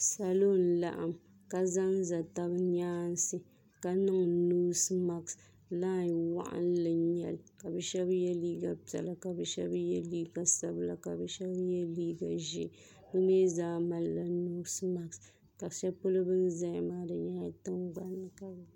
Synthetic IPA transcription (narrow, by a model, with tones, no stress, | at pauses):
sa˨lo˦n̩˦la̰˨ʔa̰˨m | ka˨za˦n˦za˨ta˦bɲaː˦n˦sɨ˦ | ka˨nɨ˦ŋnuː˦sma˨ks | la˦˨wa̰˦ʔa̰˦n˦lɨ˨ɲɛ˨lka˨bɨ˦ʃɛ˦bjɛ˦liː˦ɡa˨pɛ̰˨la˨ka˨bɨ˦ʃɛ˦bjɛ˦liː˦ɡa˨sa˦bla˨ka˨bɨ˦ʃɛ˦bjɛ˦liː˦ɡa˨ʒḛ˦˨˦ | bɨ˦me˦zaː˦ma˨lːa˨nuː˦sma˨ks | ka˨ʃɛ˦pʊ˦lɨ˦bɨ˦n˦za˦jɪ˦maː˦dɨ˨ɲa˦tɨ˦ŋɡa˨nːɨ˨ka˨b